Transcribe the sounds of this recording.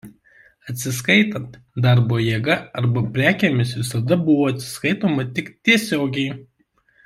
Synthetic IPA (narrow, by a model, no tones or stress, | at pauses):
ɐt̪ʲsʲɪskɐɪt̪ɐnt̪ | d̪ɐɾboːjeːɡɐɐɾbɐpʲɾʲæːkʲemʲɪsʋʲɪsɐd̪ɐbʊʋoːɐt̪ʲsʲɪ̥skɐɪt̪oːmɐt̪ʲɪkt̪ʲiɛsʲoːɡʲɛɪ